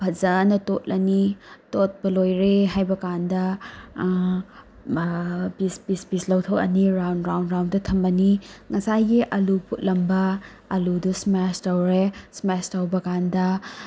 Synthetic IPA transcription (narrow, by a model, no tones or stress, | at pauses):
bʰʱɐzɐnɐtot̚lʔɐnitot̚pɐlojɾeɦajbɐkandɐ | bispispislɐwtʰɐwɐ̰niɾawnɾawndɾawndɐtʰɐmbɐniŋɐsajɡiʔɐlupʰut̚lɐmbɐ | ɐludusmastɐwɾesmestɐwbɐkandɐ